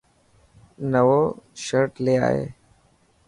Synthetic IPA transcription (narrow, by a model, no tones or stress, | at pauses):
nəʋoːʃəɾʈleːa̰ːɦḛː